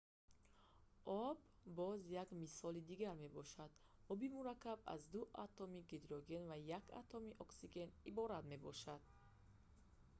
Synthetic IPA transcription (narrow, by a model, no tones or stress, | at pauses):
ʔɔbːɔzjaɡmisɔlid̪iɡaɾme̞bɔʃad̪ɔbimuɾakːaba̰zd̪uʔa̰t̪ʰɔmiɡed̪ɾɔɡe̞nvajakʰa̰t̪ʰɔmiʔɔksiɡe̞nibɔɾad̪me̞bɔʃad̪̥